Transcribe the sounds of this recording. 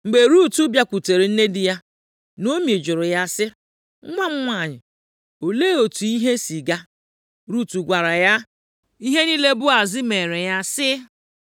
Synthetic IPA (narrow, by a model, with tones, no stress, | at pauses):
ŋ͡m̩˨ɡ͡be˨ɾu˦tu˦bja˦kʷu˨te˨ɾi˨n̩˦ne˦dɪ˦ja˦ | no˦me˨d͡ʒʊ˨ɾʊ˨ja˦sɪ˦ | ŋʷa˦ŋ͡m̩˦ŋʷa˦˨ɲɪ˨ | o˨leː˦o˨tu˨i˦ɦe˦si˨ɡa˦ | ɾu˦tu˨ɡʷa˨ɾa˨ja˦ | i˦ɦe˦ni˦le˦bʊ˦a˨zɪ˦me˨ɾe˨ja˦sɪ˦